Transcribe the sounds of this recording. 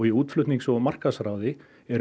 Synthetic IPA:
ɣiuːt̪flʏht̪niŋksɔmar̥kasɾawðɪ | ɛɾ

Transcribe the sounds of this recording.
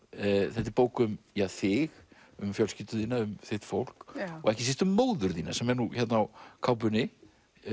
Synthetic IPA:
θɛht̪̬ɪɾpoːwkʏmjaθɪɣ | ʏmfjœlscɪːt̪ʏðiːnaʏmθɪht̪fowl̥kɔɣɛhcɪsɪst̪ʏmːoːwðʏɾðiːnasɛmɛɾnuçɛt̪naawkʰawp̬ʏnɪ

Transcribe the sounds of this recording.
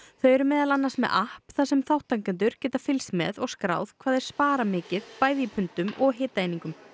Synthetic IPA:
θœɥɾʏmɛːðalanːaɾsmɛ̰ðahpθasɛmθawht̪aŋkʏnt̪̬ʏɾ̥cɛːt̪afɪlsmɛ̰ðɔɣskɾa̰ːwð̥kʰvaːðɛɾ̥spaːɾamɪːcɪðpaːjðiipʰʏnt̪ʏmʔɔɣɦeːt̪aejniŋkʏm

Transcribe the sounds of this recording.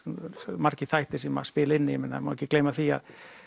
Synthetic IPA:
maɾ̥cɪθajht̪ɪsɛma̰spɪːlɪnːɪɛmɪnːa̰mawɛcɪkleːjmaθia̰ð

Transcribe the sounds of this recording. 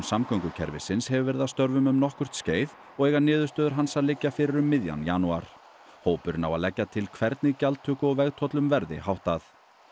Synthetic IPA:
samkœŋkʏcʰɛ̰ɾvɪ̰sɪnshɛvʏvɛɾɪðast̪œɾvʏmʏmnɔhkʏr̥t̪sceːjð | ɔɣeːjɣanɪːðʏ̥st̪œːðʏɾ̥ɦansaðlɪcːafɪɾɪɾʏmːɪðja̰nja̰nua̰ɾ̥ | hoːwpʏɾɪna̰wa̰ðlɛcːat̪ʰɪlkʰvɛɾt̪nɪcalt̪ʰʏːkʏɔɣvɛɣt̪ʰɔt̪lʏmvɛɾðɪ̰hawht̪aθ

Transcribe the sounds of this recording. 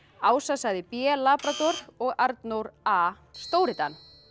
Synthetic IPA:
aːwsasaðɪpɛlaːpɾat̪ɔɾɔɣaɾt̪nowɾaː | st̪oːwɾɪt̪an

